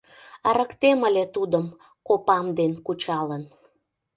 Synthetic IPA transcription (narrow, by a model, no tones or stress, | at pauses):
əɾəkt̪eməlʲet̪ud̪əm | kopɑmd̪enkut͡ɕɑlən